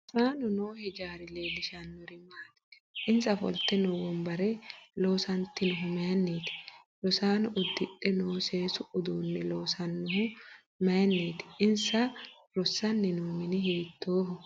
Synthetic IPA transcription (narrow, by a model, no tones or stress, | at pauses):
saːnʊnoːhɛd͡ʒaːɾɪleːlɪʃanːɔɾɪmːaːt̪ɪ̥ | ʔɪnsɐfɔ̰lt̪ɛnɔwɔmbɐɾɛlo̞ːsɐnt̪ːɪnʊɦʊmɐjɐnːeːt̪ɪ̥ | lɔsaːnʊʔʊd̪ːɪᶑɛnoːseːsʊʊd̪uːnːɛloːsɐnːʊɦʊ | mɐjɐnːeːt̪ɪ̥ʔɪnsɐ | ɾɔsɐnːɪnuːmɪnɪheːt̪ʰːoːhʊ